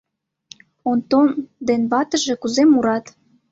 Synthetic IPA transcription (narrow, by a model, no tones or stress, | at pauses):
ont̪ond̪enβɑt̪ə̆ʒĕkuzemuɾɑt̪